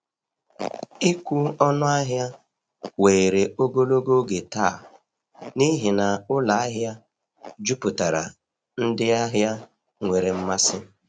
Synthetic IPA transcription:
i˦kʷu˦ɔ˦nʊ˦a˦ɦja˦ | we˨ɾe˨o˦ɡo˦lo˦ɡo˦ɡe˨ta̰˦˨ | ni˦ɦi˨na˨ʊ˦la˨a˦ɦja˦ | d͡ʒu˦pʊ˨ta˨ɾa̰˨ | n̩˦dɪ˦a˦ɦja˦ | ŋʷe˨ɾe˨m̩˦ma˦sɪ˦

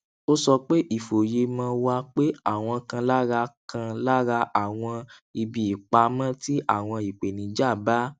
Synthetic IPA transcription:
o˦sɔ˧k͡pe˦ʔi˦˨fo˨je˧mã˧˦wa˧˦k͡pe˦a˦˨w̃ɔ̃˧kã˧la˦ɾa˧kʰã˧la˦ɾa˧ʔa˨w̃ɔ̃˧i˧bi˨i˨k͡pa˧mã˦ti˦ʔa˦˨w̃ɔ̃˧i˨k͡pe˨nĩ˨d͡ʒa˦˨ba˦

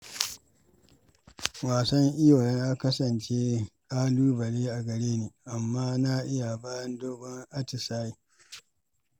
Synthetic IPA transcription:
waː˨sɐ˦ŋʔɪ˦joː˨jɐ˦ŋʔa˦kɐ˦sɐ˨nt͡ʃeː˦kaː˦luː˦bɐ˨leː˦ʔa˨ɡɐ˨ɽeː˦neː˨ʔa˨mːaː˦na˦ʔɪ˦ja˨baː˦jɐ˦ndoː˦bɔ˦ŋʔa˦tɪ˨saː˦ji˨

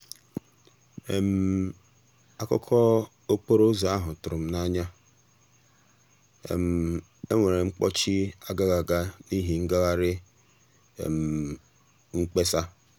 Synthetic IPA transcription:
e˨m̩˨ | a˦kɔ̰˦kʰɔ˦ | o˦k͡po˦ɾo˦za˨a˦ɦʊ˨tʊ˨ɾʊ˨m̩˦na˦ɲa˦ | ḛ˨m̩˨ | e˦ŋʷe˨ɾe˨ŋ͡m̩˦k͡pɔ̰˦t͡ʃi˦a˦ɡa˦ɡa˨ɡa˦ni˦ɦi˨ŋ̩˦ɡa˦ɣa˦ɾɪ̰˦˨ | m̩˨ | ŋ͡m̩˦k͡pe˦sa˦

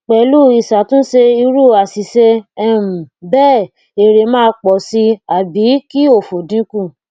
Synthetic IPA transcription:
k͡pɛ˨˦lu˦˨i˨sa˨tũ˦se˧i˧ɾu˦˨a˨si˨se˧ɛ˦˨m̩˨bɛː˦˨ | e˨ɾe˨mãː˦˧k͡pɔ˨si˧a˨bi˨˦ki˦o˦˨fo˨dĩ˨˦kũ˦˨

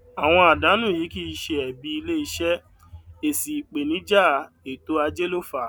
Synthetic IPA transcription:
a˨w̃ɔ̃˧a˨da˨˦nũ˦˨ji˨˦ki˦˧ʃe˧ɛ˨bi˧i˧le˦i˧˦ʃɛ˦ | e˨si˨k͡pe˨nĩ˨˦d͡ʒa˦˨ | e˨to˨˦a˧d͡ʒe˦lo˦fa˨

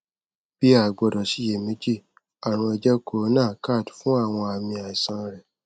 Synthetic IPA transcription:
b̥i˦a˨ɡ͡bɔ˨dɔ˨si˨˦je˨mĩ˧˦d͡ʒi˦˨ | a˨ɾ̃ũ˧ɛ˧d͡ʒɛ˦ko˨˦nãː˦˨ka˦˨tfũ˦a˦˨w̃ɔ̃˧a˨mĩ˧a˨i˨sã˧ɾɛ˨

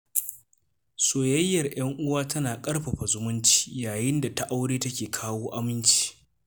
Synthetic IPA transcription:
soː˨jɐ˦jːɐ˨rj̰ɐ˦ŋʔʊ˦waː˦tɐ˦naː˨kʼɐ˦rɸɐ˨ɸa˨zʊ˦mʊ˦nt͡ʃi̥ː˦jaː˨jɪ˦nda˨ta˦ʔa˦wɽeː˦tɐ˦kʲeː˨kʰaː˦woː˦ʔa˦mɪ˦nt͡ʃi̥ː˦

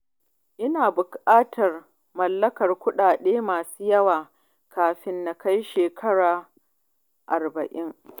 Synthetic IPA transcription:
ʔɪ˦naː˨bʊ˨kʼaː˦tʰɐ˨r | mɐ˨lːɐ˦kɐ˨rkʷʊ˦ɗaː˨ɗeː˦maː˨su̥ː˦jɐ˦waː˨ | kaː˨ɸɪ˦nːa˨ka˦jʃeː˨kʰɐ˦ɽaː˨ | ʔa˨rbɐ˨ʔɪ˦ŋ

